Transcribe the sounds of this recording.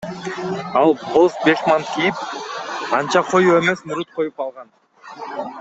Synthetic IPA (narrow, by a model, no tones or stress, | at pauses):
ɑlˠbolˠsbeʃmɑnkʰijip̚ | ɑnt͡ʃɑqʰo̞jue̞me̞smuɾut̪̚qʰo̞jupɑlˠʁɑn